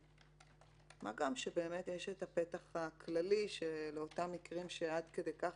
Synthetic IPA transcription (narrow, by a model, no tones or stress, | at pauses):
ma̰ɡamʃebe̞ːme̞tjeʃetape̞taχakʰlaliʃeleo̞tamːikʁimʃead̪kede̞jkaχ